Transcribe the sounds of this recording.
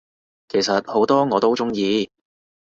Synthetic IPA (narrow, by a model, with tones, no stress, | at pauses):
kʰe˨˩jsɐ˨t̚ho˨˥wt̪ɔː˥ŋɔː˨˧t̪o˥wt͡sʊ˥ŋjiː˧